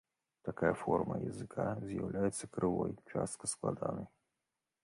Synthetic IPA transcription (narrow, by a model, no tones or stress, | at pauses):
t̪akajɐfɔrmɐ̰jɐ̰zɨkʰazʲjawlʲʔajɛt̪sːɐkɾɨvɔjt͡ʂa̰st̪̚kɐsklˠad̪anɐj